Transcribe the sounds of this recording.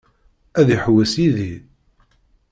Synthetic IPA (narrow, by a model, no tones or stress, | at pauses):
æðiħwæsiði